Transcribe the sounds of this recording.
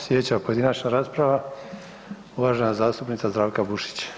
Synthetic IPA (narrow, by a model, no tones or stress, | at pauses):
sjet͡ɕapo̞jed̪inat͡ʃnaɾaːspɾaʋa | uʋaʒenazaːst̪upnit̪sazd̪ɾaːʋkabuʃi̥t͡ɕ